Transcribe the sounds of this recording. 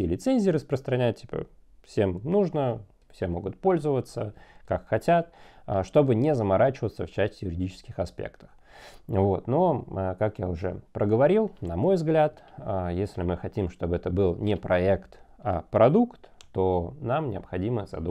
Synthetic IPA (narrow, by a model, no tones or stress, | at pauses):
ɪlʲɪt̪senʲzʲɪːɾəspɾəst̪ɾɐnʲæt̚ʲtʲi̥pə̰fsʲe̞mnuʐnə | fsʲemːo̞ɡʊt̪̚po̞lʲzəvət̪səkakxɐtʲat̪aʂt̪o̞bɨnʲɪzəmɐɾʔat͡ɕɪvət̪səft͡ɕæsʲtʲɪjʊɾʲɪdʲit͡ɕɪ̥skʲɪxɐspʲḛkt̪ə̥x | vo̞t̪no̞kakjaʊʐɛ̰pɾəɡəvɐɾʲilˠnɐmo̞jvzɡlʲat̪ajesʲlʲɪmɨxɐtʲimʂt̪o̞bɛt̪əbɨlˠnʲɪpɾɐekt̪ | a̰pɾɐd̪ukt̪ːo̞namnʲɪəpxɐdʲiməzɐ̰d̪u